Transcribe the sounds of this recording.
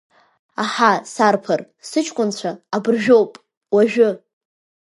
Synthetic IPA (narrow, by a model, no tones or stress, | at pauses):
aħasarpʰar | sɨt͡ʃʰkʷʼʊnt͡ɕʷʰaːbrʒᶣo̞wpʼ | waʒᶣʊ